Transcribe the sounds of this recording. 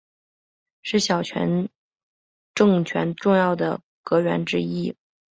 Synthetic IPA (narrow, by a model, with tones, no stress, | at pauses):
ʂɻ̩˥˩ɕjɑ˨˩ʊt͡ɕʰɥɛ̰˧˥n | ʈ͡ʂɤ˥˧ŋt͡ɕʰɥɛ̰˧˥nʈ͡ʂʊ˥˧ŋjɑ˥˩ʊd̪ə˩ | kɤ˧˥ɥɛ̰˧˥nʈ͡ʂɻ̩˥i˥